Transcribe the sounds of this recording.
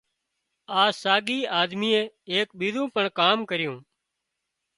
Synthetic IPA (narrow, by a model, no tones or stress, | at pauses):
aːsaːɡiːaːd̪miːẽː | eːk̚ɓiːd̪ũːpəɳkaːmkəɾɪjoũː